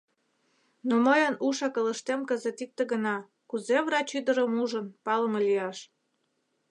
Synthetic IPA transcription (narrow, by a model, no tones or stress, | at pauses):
noməjənuʃɑkələ̆ʃt̪emkəzet̪ik̚t̪eɣənɑ | kuzeβrɑt͡ɕyd̪əɾəmuʒənpɑləməliɑʃ